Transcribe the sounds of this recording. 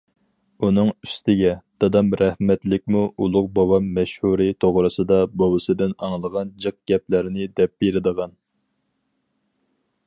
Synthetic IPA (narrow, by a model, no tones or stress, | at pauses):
unɨŋyst̪ʰɪɡʲɛd̪̥ɑd̪ɑmɾɛhmɛt̪lɪk̚ʲmuulˠʊqbɑwɑmːɛʃhuɾit̪ʰoʁɾɨsɨd̪ɑbobɨsɨd̪ɪnɑŋlˠəʁɑnd͡ʒɨq̚ɡ̥ʲɛp̚læɾɪnɪd̪ɛp̚b̥eɾɪd̪əʁɑn